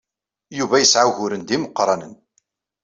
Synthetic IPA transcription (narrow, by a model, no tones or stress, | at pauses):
juvæjəsʕahʊɾənd̪iməqːɾˤɑnən